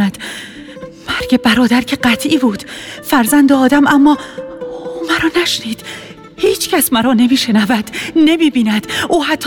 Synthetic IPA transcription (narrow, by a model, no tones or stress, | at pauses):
æd̪̥ | mæɾɡe̞bæɾɒːd̪æɾcʰeɢæt̪ʰʔiːbuːd̪̥fæɾzænd̪ɛɒːd̪æmʔæmːɒːuːmæɾɒːnæʃniːd̪̥ | hiːt͡ʃʰcʰæsmæɾɒːne̞miːʃe̞nævæd̪̥ne̞miːbiːnæd̪̥ʔuːhæt̪ʰː